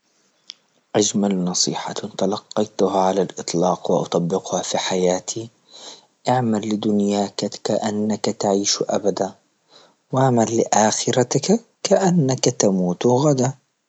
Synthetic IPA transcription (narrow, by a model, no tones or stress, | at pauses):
ʔad͡ʒmalnɑsˤḭːħat̪alɑqːɑjt̪ʊhaʕalalʔɨt̪ˤlɑːqwɪʔɑ̰t̪ˤɑbːɪqʊhafiħajaːt̪ʰi | ʔaʕmalːɪd̪ʊnjaːkakaʔanːakat̪aʕiːʃʔa̰bad̪a | waʕmalːɪʔaːxɪɾat̪aka | kaʔanːakat̪amuːt̪ɣad̪a